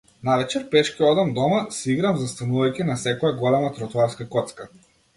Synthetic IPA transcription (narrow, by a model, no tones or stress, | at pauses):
navɛt͡ʃɛɾpɛʃkʲiɔd̪amd̪ɔmasiɡɾamzast̪anuvajcʲinasɛkɔjaɡɔlɛmat̪ɾɔt̪aɾskakɔt̪ska